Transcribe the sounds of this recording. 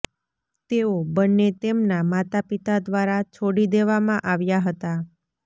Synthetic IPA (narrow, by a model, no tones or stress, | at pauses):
t̪eobənːet̪emnamat̪apit̪ad̪ʋaɾat͡ʃʰoɽid̪eʋamãʔaʋjaɦət̪a